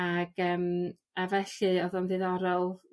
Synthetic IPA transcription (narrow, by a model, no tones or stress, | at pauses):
aɡ̥əːm | avɛɬɨɔðɔnðɪðɔɾɔlˠ